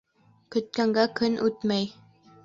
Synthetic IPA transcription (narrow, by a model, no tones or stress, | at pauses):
kɵ̆t̪̚kæŋɡækɵnʔʉt̪mæj